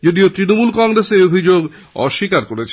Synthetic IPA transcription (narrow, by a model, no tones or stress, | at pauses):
d͡ʑod̪iot̪ɾinomulkɔŋɾeseɾobʱid͡ʑoɡ | ɔ̰ʃːikaɾkoɾet͡ɕʰ